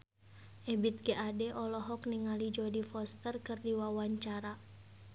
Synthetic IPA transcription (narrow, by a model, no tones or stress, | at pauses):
ʔɛbit̪̚ɡeʔadɛʔɔlɔɦɔkniŋalid͡ʒɔdifɔst̪ərkɨrdiwawaɲt͡ʃaɾa